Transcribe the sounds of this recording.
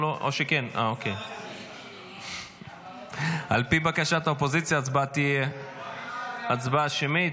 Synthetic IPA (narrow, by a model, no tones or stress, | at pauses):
loʔo̰ʃekena̰okej | alpibakaʃat̪aopo̞zit͡sjaːt͡sbat̪ie | at͡sbaʃemit